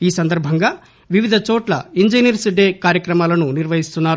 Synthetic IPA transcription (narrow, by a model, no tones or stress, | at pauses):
iːsɐnd̪ɐɾbʱɐŋɡaː | ʋiʋid̪ʱɐt͡ʃɔːʈlɐ̰iɲd͡ʒiniɾsiɖeːkaːɾjɐkɾɐmaːlɐnuniɾʋɐɦist̪unːaːɾu